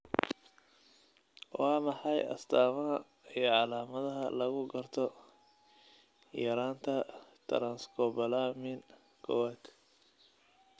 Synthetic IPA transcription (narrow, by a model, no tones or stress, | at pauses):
wɑːmɑħɑjɐ̰st̪ʰaːmɐɦɐ | ijɞʕɑlaːmɐðɐɦɐlɐɣʊɡɐrt̪ʰɔ | jɐɾaːnt̪ʰɐt̪ʰɾanskʰɔbɐlaːmɪn | kʰɔ̰waːt̪